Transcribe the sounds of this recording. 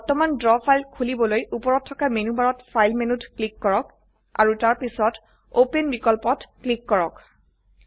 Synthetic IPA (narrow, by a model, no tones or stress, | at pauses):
bɔɹtɔmandɹɔpʰajlkʰulibɔlojʔupɔɹɔtʰːɔkamenubaɹɔtpʰajlmenutklikːɔɹɔk | a̰ɹutaɹpisɔt | openbikɔlpɔtklikːɔɹɔk